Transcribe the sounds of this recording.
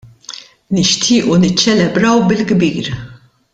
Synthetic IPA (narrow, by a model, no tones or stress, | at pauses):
nɪʃt̪ʰɪːʔunɪt͡ʃːɛlɛbɾɐwbɪlɡbiːɾ